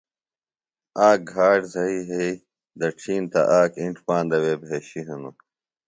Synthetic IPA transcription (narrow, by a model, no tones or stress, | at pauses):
aːk̚ɡʱaːɖzɐiːɦei | d̪ɐʈ͡ʂʰiːnt̪ɐ̰ʔaːkiɳʈʰpãːnd̪ɐweːbʱeːɕiɦɐnu